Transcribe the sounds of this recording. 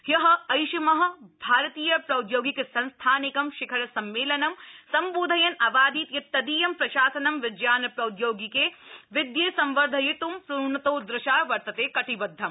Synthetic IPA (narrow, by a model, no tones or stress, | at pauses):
jɐɦɐ̆ɐjʃɐmɐɦɐ̆bʱaːɾɐt̪iːjɐpɾɐwd̪joːɡikesɐ̃nst̪ʰaːnɪkɐmʃɪkʰɐɾɐsɐmːeːlɐnɐmsɐmboːd̪ʱɐjɐnɐbaːd̪iːt̪jɐt̪ːɐd̪iːjɐmpɾɐʃaːsɐnɐmʋɪd͡ʒjaːnɐpɾɐwd̪joːɡikeʋɪd̪jeːsɐ̃mʋɐɾd̪ʱɐjit̪umpɾuɳɐt̪oːd̪ɾɪʃaːʋɐɾt̪ɐt̪eːkɐʈiʋɐd̪ʱːɐm